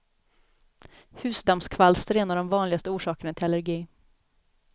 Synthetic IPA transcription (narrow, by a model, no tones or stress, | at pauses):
hʉ̟ːsd̪amskʰvalst̪ɾeːnaɖɔmvɑːnlɪɡast̪əuːʂɑːkəɳat̪ʰɪlalæɾɡiː